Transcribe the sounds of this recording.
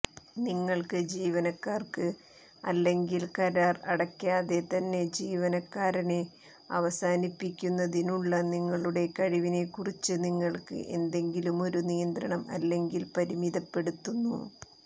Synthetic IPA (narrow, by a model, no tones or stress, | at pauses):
niŋːɐɭkɨd͡ʑiːʋɐnɐkːaːrkɨ | ɐ̰lːe̞ŋɡilkɐɾaːrɐɽɐkʲːaːðe̞t̪ɐnːe̞d͡ʑiːʋɐnɐkːaːɾɐne | ɐ̰ʋɐsaːnipːikʲːunːɐðinuɭːɐniŋːɐɭuɽe̞kɐɻiʋine̞kurit͡ɕːɨniŋːɐɭkɨ̰ʔe̞̰nd̪e̞ŋɡilumo̞ɾunijɐnd̪ɾɐɳɐmɐ̰lːe̞ŋɡilpɐɾimiðɐpːe̞ɽut̪ːunːṵ